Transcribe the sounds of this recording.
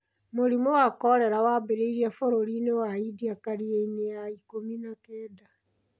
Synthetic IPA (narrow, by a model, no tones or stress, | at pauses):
moɾimowakɔɾɛɾawabeɾeiɾiafoɾoɾinewaidiakaɾiɾeinejaikominakɛːda